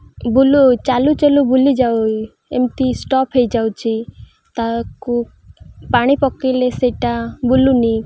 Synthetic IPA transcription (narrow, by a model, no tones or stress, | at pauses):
bulut͡ʃalut͡ʃelubulid͡ʒawi | ḛmt̪isʈɔpʰɦejd͡ʒawt͡ʃʰi | t̪aku | paɽ̃ipɔkileseʈabuluni